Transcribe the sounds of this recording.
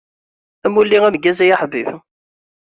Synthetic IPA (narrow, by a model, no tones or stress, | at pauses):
æmulːiʁæməɡːæzæjaħbiv